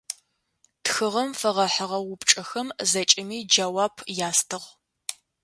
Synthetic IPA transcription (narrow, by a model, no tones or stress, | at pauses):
txɨʁɐmfɐʁɐħəʁɐwʊpt͡ʃʼɐxɐmzɐt͡ʃʼɪmiːd͡ʒawaːpʰjaːstʰɨʁ